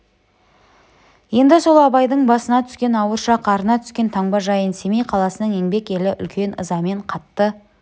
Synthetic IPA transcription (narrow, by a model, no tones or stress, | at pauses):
je̞nd̪ɪso̞lˠɑbɑjd̪əɴbɑsənɑt̪ʰʏ̥skʲe̞nɑwəɾʃɑqʰɑɾənɑt̪ʰʏ̥skʲe̞nt̪ʰɑɴbɑʒɑjənse̞mejqʰɑlˠɑsənəɴe̞ŋbe̞ke̞lɪʔʏ̰lkʲʰe̞nəzɑme̞ɴqʰɑt̪ːə